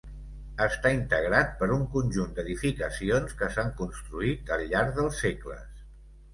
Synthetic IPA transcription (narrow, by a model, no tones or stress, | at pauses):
əst̪aint̪əɣɾat̪̚pəɾuŋkunʲʒund̪əðifikəsionskəsaŋkunst̪ɾuit̪əlʎaɾðəlˠseklə̰s